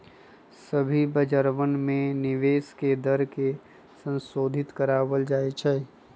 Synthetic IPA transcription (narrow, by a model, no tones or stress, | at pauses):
səbʱibəd͡ʒəɾʋənmẽnɪʋeːsked̪əɾke | sə̃nsoːd̪ʱɪt̪kəɾaːwəld͡ʒaːet͡ʃʰɛː